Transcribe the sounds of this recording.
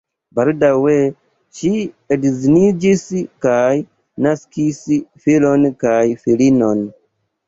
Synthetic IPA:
baldawe | ʃi | edzinid͡ʒiskaj | naskisfilonkajfilino̞n

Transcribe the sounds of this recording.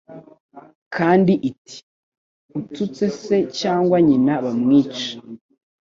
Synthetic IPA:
kaːndiʔitʰi̥ | utut͡se̞se̞caːŋɡwaɲinaβamŋiːt͡ʃḁ

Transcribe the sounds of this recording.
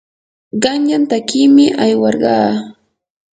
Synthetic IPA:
ɢɑɲʎant̪akiːmɪʔajwɑɾɢɑː

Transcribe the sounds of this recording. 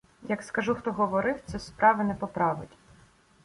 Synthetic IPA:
jɐkskɐʒuxt̪ɔɦɔʋɔɾɪwt̪sɛspɾɑʋɪnɛpɔpɾɑʋɪ̰tʲ

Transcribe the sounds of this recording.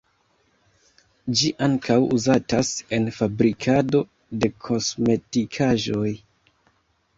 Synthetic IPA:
d͡ʒiʔaŋkʰawuzatase̞nfabɾikʰado̞ | de̞kʰo̞sme̞tikʰaʒo̞j

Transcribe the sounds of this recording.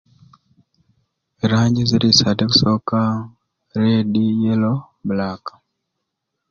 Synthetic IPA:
eɾaːɲɟiziɾisadeksoka | ɾedijelo | bulakḁ

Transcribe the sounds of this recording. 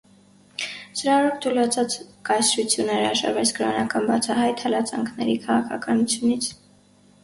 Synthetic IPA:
səɾɑɾɔp̚t̪ʰulɑt͡sʰɑt͡skɑjsɾut͡sʰjunəɾɑʒɑ̰ɾvɛt͡sʰkəɾɔnɑkɑnbɑt͡sʰɑɦɑjt̪hɑlɑt͡sɑ̰ŋkʰnɛɾikʰɑʁɑkʰɑkɑnut͡sʰjunit͡sʰ

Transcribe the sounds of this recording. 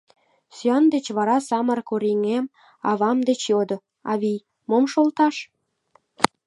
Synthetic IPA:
syɑnd̪et͡ɕβɑɾɑsɑmərkoɾiŋem | ɑβɑmd̪et͡ɕjod̪o | ɑβij | momʃolt̪ɑʃ

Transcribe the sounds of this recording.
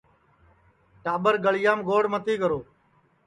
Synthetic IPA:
ʈaːɓəɾɡəɭɪjaːmɡoːɽmət̪iːɡəɾoː

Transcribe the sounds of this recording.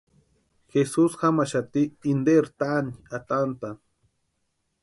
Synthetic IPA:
xesusxamaʃat̪iːnd̪eɾt̪aniat̪ant̪a

